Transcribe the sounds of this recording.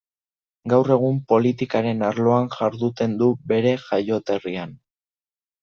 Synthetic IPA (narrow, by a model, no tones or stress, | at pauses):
ɡawre̞ɣ̞umpo̞lit̪ikaɾe̞naɾlo̞anʝaɾðut̪e̞nd̪ube̞ɾe̞ʝajo̞t̪e̞rian